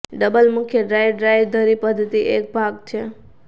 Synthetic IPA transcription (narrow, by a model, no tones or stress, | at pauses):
ɖəbəlmʊkʰjəɖɾajʋɖɾajʋd̪ʱəɾipəd̪ʱːət̪iʔek̚bʱaɡt͡ʃʰe